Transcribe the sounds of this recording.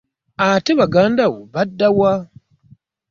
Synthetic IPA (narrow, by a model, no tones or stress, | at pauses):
ateβaɡaːndawoβadːawa